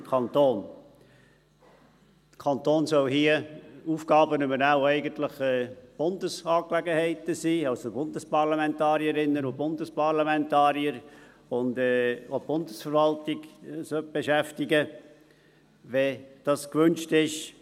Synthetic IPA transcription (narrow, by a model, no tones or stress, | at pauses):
mkʰɑnt̪oːn | d̪kʰɑnt̪oːnsœlɦiːəuːfɡɑːbənybəɾnaʊɛɪɡənt̪ləχɛːb̥ʊndəsɑːklɛɡəhɛɪtəsiːɑlsobʊndəspɑʁlamɛntɑːɾiəɾɪnːənʊbʊndəspɑʁlamɛntɑːɾiəɾ | ʊnd̪ɛːob̥ʊndəsfəɾvɑltɪɡsœt̚b̥eʃæftɪɡə | vɛd̥ɑskvʏnt͡ʃtɪʃ